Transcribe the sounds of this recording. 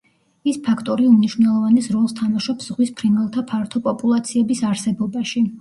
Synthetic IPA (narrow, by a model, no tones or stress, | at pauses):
ispʰakʰt̪ʼɔɾiumniʃvnɛlˠɔvanɛsɾɔlˠst̪ʰamaʃɔpszʁwispʰɾinɛlˠt̪ʰapʰaɾt̪ʰɔpʼɔpʼulˠat̪sʰiɛbisaɾsɛbɔbaʃi